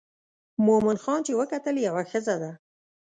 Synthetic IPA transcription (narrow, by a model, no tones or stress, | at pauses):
momɪnxɑnt͡ʃewəkat̪əljawaxəzad̪a